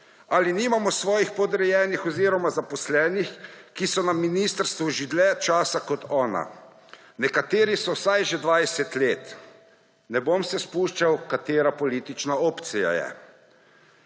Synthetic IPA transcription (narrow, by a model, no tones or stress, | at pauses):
aliniːmamɔsʋɔːjixpɔd̪ɾɛjɛːnixɔziɾɔmazapɔslɛːnixkisɔnaminiːst̪əɾst̪ʋuʒid̪lɛt͡ʃaːsakɔt̪ɔːna̰ | nɛkat̪eːɾisɔwsajʒɛd̪ʋaːjsɛt̪leːt̪ | nɛbomsɛspuʃt͡ʃawkat̪eːɾapɔliːt̪it͡ʃnaoːpt̪sija̰jɛ̰